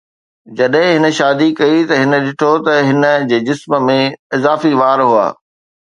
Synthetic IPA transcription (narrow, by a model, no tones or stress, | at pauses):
d͡ʑɐɗɦɪ̃ɦɪnə̆ʃaːd̪ikɐit̪ɐɦɪnə̆ɗɪʈʰot̪ɐɦɪnə̆d͡ʑeːd͡ʑɪsmə̆mẽɪzaːfiʋaːɾɦua̰ː